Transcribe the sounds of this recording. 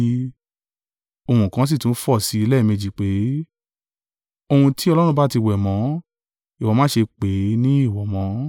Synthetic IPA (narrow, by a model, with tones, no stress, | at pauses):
o˧hũ˧˨kã˨˦s̬i˦˨tũ˨˦fɔ˦˨si˧˦i˧lɛ˦˨mẽ˧˨d͡ʒi˨k͡pe˨˦ | o˧hũ˧tʰi˦ɔ˧lɔ˦ɾ̃ũ˧ba˦ti˧wɛ˨mɔ̃˨˦ | i˨wɔ˨mãː˨˦ʃe˧k͡pe˨˦nĩ˦i˦˨wɔ˨mɔ̃˨˦